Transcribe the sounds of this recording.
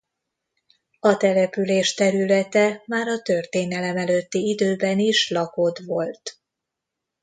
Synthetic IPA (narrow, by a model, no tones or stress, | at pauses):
ɒt̪ɛlɛpyleːʃt̪ɛɾylɛt̪ɛmaːɾɒt̪ø̞rt̪eːnɛlɛmɛløt̪ːiid̪øːbɛniʃlɒko̞t̪ʋo̞lt̪